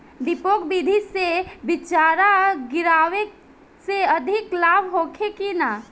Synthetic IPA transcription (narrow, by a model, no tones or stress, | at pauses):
d̪ɪpoːkbid̪ʱisebɪt͡ʃaːɾaɡɪɾaːʋe | seəd̪ʱɪklaːbɦoːkʰekina